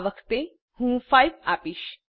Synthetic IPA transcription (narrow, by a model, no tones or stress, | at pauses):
ʋəkʰt̪e | hũːfajʋapiːɕ